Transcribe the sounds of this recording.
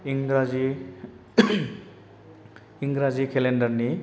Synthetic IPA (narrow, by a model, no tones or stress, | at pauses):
iŋɡɾad͡zi | iŋɡɾad͡zikʰeleɳɖʌrni